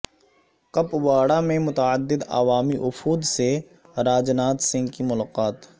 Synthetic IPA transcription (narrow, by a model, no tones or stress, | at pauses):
qɐpʋaːɽamẽmʊt̪əəd̪ːɪd̪ɐ̰ʋaːmiʔʊfuːd̪se | ɾaːd͡ʒnaːt̪sɪ̃ŋɡkimʊlaːqaːt̪